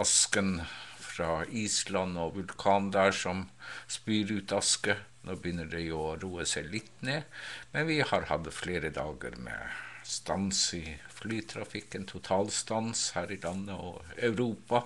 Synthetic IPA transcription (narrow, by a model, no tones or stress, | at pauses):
ɑskənfɾɑːiːslɑnːɔʋʉlkʰɑːnd̪æːʂɔmspyːɾʉːt̪ɑskə | noːbəjʏnːəɖɛjʊɔɾuːəsæɪlɪt̪ːneːmɛnʋɪhɑɾhɑd̪əfleːɾəd̪ɑːɡə̰ɾmɛ̰st̪ɑnsɪflyːt̪ʰɾɑfɪkːənt̪ʰʊt̪ʰɑːlst̪ɑnshæːɾɪlɑnːəɔ̰ɑʉɾuːpɑ